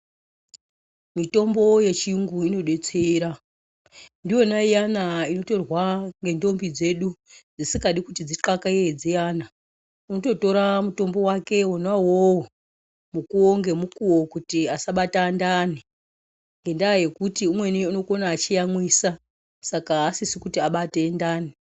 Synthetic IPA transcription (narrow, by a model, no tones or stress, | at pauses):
mito̞mbo̞je̞t͡ʃijuŋɡuino̞ɗe̞t͡seɾa | ndijo̞naijanaino̞to̞rwaŋɡe̞ndo̞mbid͡ze̞ɗud͡zisikaɗikutid͡ziǁakaied͡zijaːna | unoto̞to̞ɾamuto̞mbo̞wake̞wonwawowo | mukuoŋɡe̞mukuwo̞kutiasaɓatandaːni | ŋɡe̞ndaːje̞kutiumwe̞niuno̞konaːt͡ʃijamwisa | sakaːsisikutiaɓate̞ndaːni